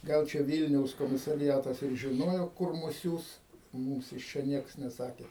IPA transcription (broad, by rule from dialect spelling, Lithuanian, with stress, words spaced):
ˈɡɐlˠ t͡ʃʲɛ ˈʋʲiːlʲnʲɛʊs koːmʲɪsɐrʲɪˈjæːtɐs ɪr ʒʲɪˈnoːjoː ˈkʊr ˈmʊs ˈsʲuːs ˈmuːms ɪʃ ˈt͡ʃʲɛ ˈnʲiɛks nʲɛˈsɑːkʲeː